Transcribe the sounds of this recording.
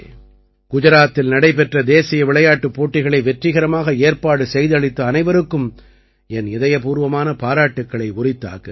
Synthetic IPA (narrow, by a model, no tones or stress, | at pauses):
ɡ̥ʊd͡ʒɐɾaːt̪ːɪlnɐɽɐɪpɛʈrɐd̪eːsɪjɐʋɪɭɐjaːʈːɯpːoːʈːɪɣɐɭɐɪʋɛʈrɪɣɐɾɐmaːɣɐeːɾpaːɽɯsɛjðɯɐɭɪt̪ːɯɐnɐɪʋɐɾɯkːɯm | ɛnɪðɐjɐpuːɾʋɐmaːnɐpaːɾaːʈːɯkːɐɭɐɪʊrɪt̪ːa̰ːɣɯ